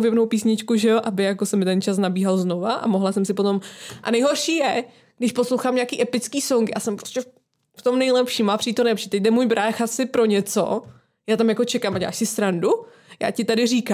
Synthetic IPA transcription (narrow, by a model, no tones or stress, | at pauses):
vjɛbnowpiːsɲɪt͡ʃkuʒɛjoʔabɪjakosɛmːɪt̪ɛnt͡ʃas̬nabiːɦalznovaʔa̰moɦlasɛmsɪpot̪o̞mʔa̰nɛjɦo̞ɾʃiːjɛ | ɡ̥dɪʃpo̞slowxaːmɲakiːʔɛpɪt͡skiːsoŋɡɪʔa̰ːsɛmpɾoscɛ | ft̪omnɛjlɛpʃiːmaːpr̥iːt̪omnɛpʒ̥ɛt̪ɛc̚dɛmuːjbɾʔaːxasɪpɾo̞ɲɛt͡so̰ | jaːt̪amjakot͡ʃɛkaːmʔaɟɛla̰ːʃsɪsɾandu | ja̰ːcɪt̪adɪriːka